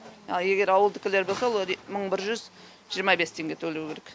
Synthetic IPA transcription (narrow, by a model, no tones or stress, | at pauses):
ɑje̞ɡʲe̞ɾɑwəlˠd̪əkʲʰɪle̞ɾbo̞lˠsɑwoməɴbɪɾʒʏz | ʒijəɾmɑbe̞st̪ʰe̞ŋɡʲe̞t̪ʰɵlewkʲeɾek